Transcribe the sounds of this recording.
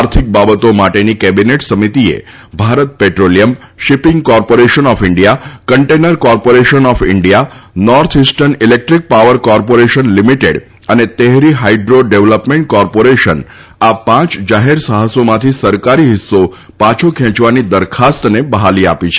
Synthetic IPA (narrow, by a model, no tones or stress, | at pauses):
aɾt̪ʰik̚babət̪omaʈenikɛbineʈsəmit̪iḛ | bʱaɾət̪̚peʈɾolijəm | ʃipɪ̃ŋɡkɔɾpoɾeʃənɔfɪɳɖijakəɳʈenəɾkɔɾpoɾeʃənɔfɪɳɖijanɔɾt̪ʰɦisʈənilek̚ʈɾik̚paʋəɾkɔɾpoɾeʃənlimiʈeɽ | ənet̪eɦɾiɦaiɖɾoɖeʋləpmẽɳʈ̚kɔɾpoɾeʃən | apãt͡ʃd͡ʒaɦeɾsəɦəsomãt̪ʰisəɾkaɾiɦɪsːo | pãt͡ʃʰokʰɛ̃t͡ʃʋanid̪əɾkʰast̪nebəɦaliapit͡ʃʰe